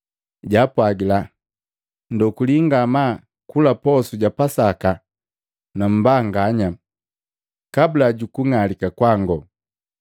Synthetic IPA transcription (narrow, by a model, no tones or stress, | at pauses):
ɟapwaɡila | ndɔkuliŋɡama | kulapɔsuɟapasaka | nam̩baŋɡaɲa | kabulaɟukuŋalikakwaŋɡɔ